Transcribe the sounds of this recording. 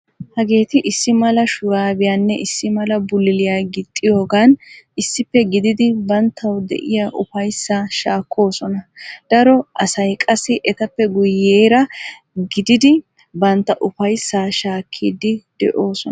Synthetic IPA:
hɐɡe̞ːt̪ɪʔɪsːɪmɐlɐʃʊɾaːbɪjanːɛʔɪsːɪmɐlɐbʊlɪlɪjaːɡɪt̪ʼːɪjo̞ːɡaːnɪsːɪpːɛɡɪd̪ɪd̪ɪbɐnt̪ʰːɐwd̪ɛ̰ʔɪjaʔʊfɐjsːaːʃaːkːo̞ːsɔnɐd̪̥ɐɾɔʔɐsɐjkʼɐsɪʔɛt̪ɐpːɛɡʊjːeːɾɐ | ɡɪd̪ɪd̪ɪ | bɐnt̪ːɐʔʊfɐjsːaːʃaːkʰːiːd̪ɪd̪̥ɛ̰ʔo̞ːsɔn

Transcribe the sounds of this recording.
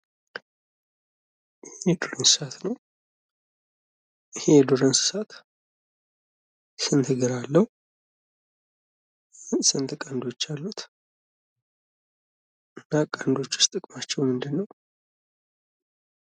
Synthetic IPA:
hɛd̪oɾənsɨ̥sat̪nəw | ɪhejɛd̪oɾənsɨ̥sat̪ | sɨnt̪ʰɨɡɨɾalːəhu | sɨnt̪ʰɨkʼand̪o̞t͡ʃːalːut̪ | ʔɨnːakʼand̪o̞t͡ʃːʊ̥st̪ʼɨkʼmat͡ʃːɛwmɨnd̪ɨnːəw

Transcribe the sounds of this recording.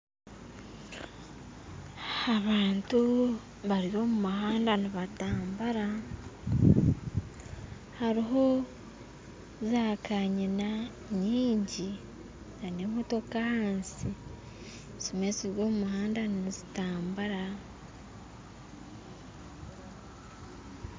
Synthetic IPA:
aβaːntu | βaɾiβo̞mumuhaːndaniβataːmbaɾa | haɾiɦo̞ | zakʰaɲina | ɲiːɲɟi | nanemoto̞kahaːnsi | sumeziɾo̞ːmumuhaːndannizitaːmbaɾa

